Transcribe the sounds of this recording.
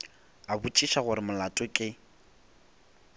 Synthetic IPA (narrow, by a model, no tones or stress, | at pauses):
abut͡ʃʼiʃaɣʊɾɪmʊlatʼɔkʼɪ